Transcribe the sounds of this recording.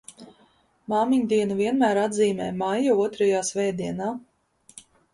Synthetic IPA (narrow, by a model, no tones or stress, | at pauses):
maːmiɲd̪iɛnaviɛnmæːɾad̪ziːmɛːmajauɔt̪ɾajaːsvɛːd̪iɛnaː